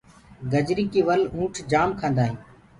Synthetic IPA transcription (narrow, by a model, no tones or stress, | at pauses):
ɡəd͡ʒɾiːkiːʋəlũːʈʰd͡ʒaːmkʰãːnd̪aːɦĩː